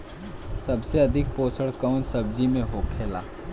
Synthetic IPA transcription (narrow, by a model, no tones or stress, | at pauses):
sɐbseɐd̪ʱɪk̚poːsʰəɽkəʊnsəbd͡ʒimẽɦoːkʰeːla̰ː